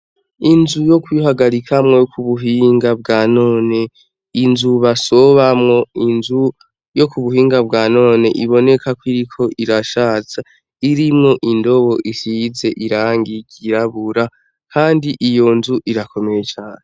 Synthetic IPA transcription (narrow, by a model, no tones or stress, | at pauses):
inzujo̞kwiɦaɡaɾikʰamŋo̞jokʰuβuɦiːŋɡab̚ɡaːno̞ːne̞ | inzuβasoβamŋo̞inzu | jo̞kuβuhiːŋɡab̚ɡaːno̞ːneʔiβo̞ne̞kʰakwiɾikʰo̞ʔiɾaʃat͡sa | iɾimŋo̞ʔindo̞βo̞ʔisize̞ʔiɾaːŋɡiɡiɾaβuɾa | kʰaːndiʔijo̞nzuʔiɾakʰo̞me̞ɾe̞t͡ʃaːne